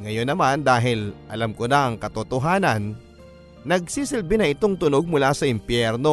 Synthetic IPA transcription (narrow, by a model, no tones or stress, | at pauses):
ŋɐjo̞nːɐmand̪aːɦɪlʔɐlamkonɐʔɐŋkɐt̪ot̪oɦaːnɐnː | ɐɡ̚siːsɪlbɪnɐɪt̪o̞ŋt̪ʊno̞ɡ̚mʊlasɐʔɪmpjɛɾno